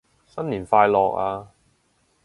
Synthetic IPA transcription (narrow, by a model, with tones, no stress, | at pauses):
sɐ˥nliː˨˩nfaː˧jlɔː˨k̚aː˧